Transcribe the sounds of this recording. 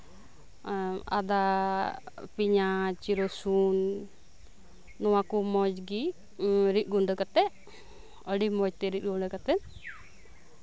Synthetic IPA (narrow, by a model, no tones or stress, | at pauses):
a̰d̪a | piɲat͡ʃiɾɔsun | ɔwakumɔd͡ʒɡi | ɾit̪̚ɡuɳɖɔkat̪ɛʔ | əɖimɔd͡ʒt̪ɛɾit̪̚ɡuɳɖɔkat̪ɛn